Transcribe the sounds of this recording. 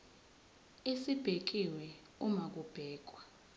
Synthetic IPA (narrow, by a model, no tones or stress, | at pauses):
esib̥ʱek̬iwɛ | umak̬ub̥ʱɛːk̬ʼwa